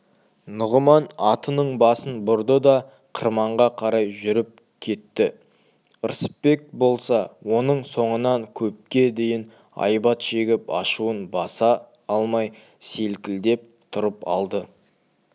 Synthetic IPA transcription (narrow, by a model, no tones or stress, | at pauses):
nʊʁəmɑnɑt̪ənəɴbɑsənbʊɾd̪əd̪ɑ | qʰəɾmɑɴʁɑqʰɑɾɑjʒʏɾɪp̚ | kʲʰe̞t̪ːɪ | əɾsə̥pːe̞k̚bo̞lˠsɑwo̞nəɴso̞ɴənɑŋkʲʰɵp̚kʲe̞d̪e̞jɪn | ɑ̰jbɑt̪ʃe̞ɡʲɪpɑ̰ʃuənbɑsɑ | ɑlˠmɑj | se̞lkʲɪld̪e̞p̚t̪ʰʊɾəpɑ̰lˠd̪ə